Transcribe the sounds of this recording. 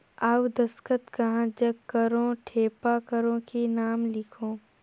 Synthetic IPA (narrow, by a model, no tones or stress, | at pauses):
awd̪ɐskət̪kɐɦãd͡ʒɐɡkːəɾõːʈʰeːpakəɾõkinaːmlɪkʰõː